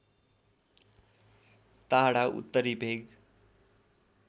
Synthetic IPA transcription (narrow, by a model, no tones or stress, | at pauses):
t̪aɦɽaʔṵt̪ːəɾibʱeɡ